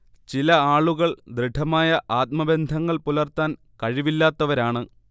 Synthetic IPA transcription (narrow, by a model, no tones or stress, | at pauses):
t͡ɕilɐaːɭuɣɐɭd̪rɨɖʰʱɐmaːjɐʔaːt̪̚mɐbe̞nd̪ʱɐŋːɐɭpulɐrt̪aːn | kɐɻiʋilːaːt̪ːɐʋɐɾaːɳɨ